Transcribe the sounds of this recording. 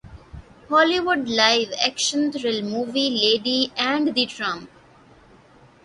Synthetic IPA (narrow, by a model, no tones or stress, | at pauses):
hɔːliʋʊɖlaɪʋɛ̰kʃə̃nt̪ʰɾɪlmuːʋileːɖiɛ̃ɳɖd̪iʈɾãmp